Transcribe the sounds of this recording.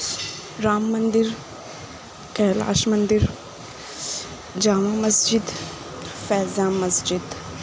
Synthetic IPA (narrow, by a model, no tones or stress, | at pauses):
ɾaːmːɐnd̪iɾ | kɛːla̰ːʃmɐnd̪iɾ | d͡ʒaːmãːmɐsd͡ʒid̪ | fɛːzaːmɐsd͡ʒid̪